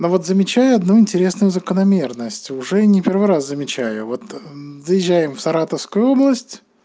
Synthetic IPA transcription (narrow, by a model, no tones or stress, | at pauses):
novo̞t̪zəmʲɪt͡ɕæjʊɐd̪nuɪnʲtʲɪɾʲe̞snʊjʊzəkənɐmʲe̞rnəsʲtʲʊʐɛnʲɪpʲe̞rvɨɾaszəmʲɪt͡ɕæjʊvo̞t̪zəjɪʑːæjɪmfsɐɾat̪əfskʊjʊo̞blˠəsʲtʲ